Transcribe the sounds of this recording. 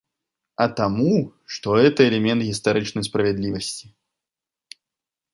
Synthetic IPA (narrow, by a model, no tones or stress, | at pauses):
ɐt̪amuʂt̪ɔɛt̪ɐɛlʲɛmʲɛnt̪ɣʲist̪aɾɨt͡ʂnɐjspɾɐvʲɛd̪lʲivɐsʲt͡sʲi